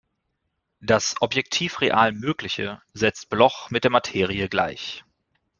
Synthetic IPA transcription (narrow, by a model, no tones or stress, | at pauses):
d̥asʔɔpjɛk̚tʰiːfʁeʔaːlmøːklɪçə̰zɛt͡st̚b̥lɔχmɪt̚d̥eːɐmatʰeːʁiəɡla̰ɪç